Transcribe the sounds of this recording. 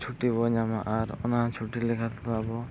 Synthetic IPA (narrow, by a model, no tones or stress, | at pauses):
t͡ʃʰuʈibɔɲamaʔaɾɔ̰nat͡ʃʰuʈilikʰat̪at̪ɔabɔ